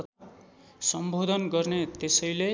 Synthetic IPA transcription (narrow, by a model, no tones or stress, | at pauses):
ʌt̪ʰa | sʌmbʱod̪ʱʌnɡʌrnet̪esʌjle